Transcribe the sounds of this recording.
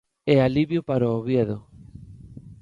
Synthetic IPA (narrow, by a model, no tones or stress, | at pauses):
ɛaliβjopaɾoːβjeðo